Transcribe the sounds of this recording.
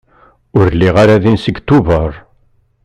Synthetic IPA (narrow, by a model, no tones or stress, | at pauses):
ʊɾliʁaɾaðinsəɡt̪ːuvəɾˤ